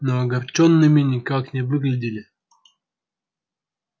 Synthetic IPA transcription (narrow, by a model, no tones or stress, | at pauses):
noɐɡɐrt͡ɕonːɨmʲɪnʲɪkaknʲɪvɨɡlʲɪdʲɪlʲɪ